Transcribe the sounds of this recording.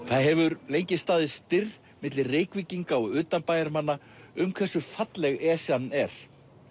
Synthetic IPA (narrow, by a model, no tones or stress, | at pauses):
θaðɦɛvʏɾlejɲcɪst̪aːðɪst̪ɪr | mɪt̪lɪreːjkviciŋkaɔɣʏːt̪anpaːjðaɾmanːa | ʏmkʰvɛsʏfat̪lɛɣɛːsjanːɛɾ̥